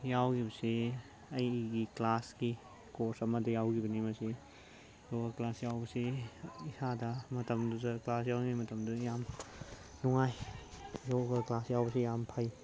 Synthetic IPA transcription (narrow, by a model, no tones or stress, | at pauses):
jawɡibɐsi | ɐjɡiklasɡi | koɾsɐmɐdijawɡibɐnimɐsi | joɡɐklasjawbɐsiisadɐmɐtɐmduzɐklasjawnuŋajmɐtɐmdujam | nuŋajjoɡɐklasjawbɐsijampʰaj